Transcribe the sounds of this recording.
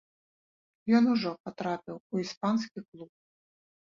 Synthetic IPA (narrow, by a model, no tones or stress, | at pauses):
jɔnuʐɔpat̪ɾapʲiwuispanskʲiklˠup̚